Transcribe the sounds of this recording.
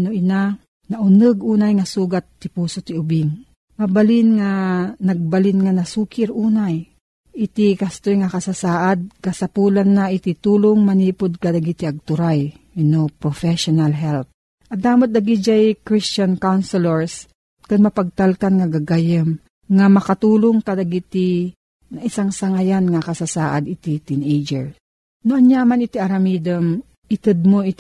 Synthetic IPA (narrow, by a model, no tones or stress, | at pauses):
noʔɪna | naʔʊnɨɡuːnajŋasuːɡat̪ːɪpuːsot̪ɪʊbɪŋ | mabalɪnŋanaɡ̚balɪnŋanasuːkɪɾʔuːnaj | ʔɪt̪ɪkast̪ojŋakasasaːʔad̪̚kasapuːlanːaʔit̪ɪt̪uːloŋmaniːpʊd̪̚kad̪aɡit̪iaɡ̚t̪ʊɾajɪnopɾofɛʃonalɦɛlt̪̚ | ʔɐd̪aːmat̪̚d̪ɐɡid͡ʒajkɾɪst͡ʃankawnsɛlɛɹs | kɐnmɐpɐɡ̚t̪alkanŋɐɡaɡajəm | ŋamɐkɐt̪uːloŋkɐd̪ɐɡit̪i | nɐʔɪsaŋsɐŋajanŋakɐsasaːʔad̪ɪt̪it̪inejd͡ʒɛɹ | noʔɐɲjaːmanɪt̪iʔɐɾɐmiːd̪ɛm | ʔɪt̪ɨd̪̚moʔɪt̪